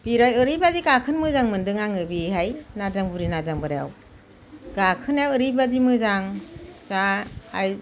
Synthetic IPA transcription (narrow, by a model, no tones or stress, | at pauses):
b̥iɾajɯɾibaziɡakʰɯnmɯzaŋmɯndɯŋaŋɯbiɦajnazaŋbuɾinazaŋbɯɾja̰w | ɡ̥akʰɯnawɯɾibazimɯzaŋzaːj